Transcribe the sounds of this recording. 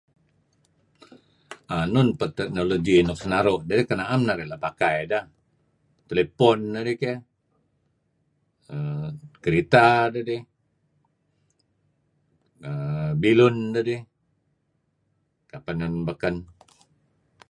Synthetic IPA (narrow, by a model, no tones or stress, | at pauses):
anunpət̪ɛk̚noloɡinɔk̚sənaɾoʔdadikənaamnaɾɛlapakajdah | t̪elepɔndadike | əkəɾit̪adadi | əbilundadi | kapanunbəkən